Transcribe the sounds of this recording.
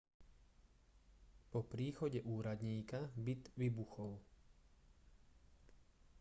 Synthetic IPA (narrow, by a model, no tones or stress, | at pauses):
pɔpɾiːxɔɟɛʔuːɾad̪ɲiːkabit̪ʋibuxɔl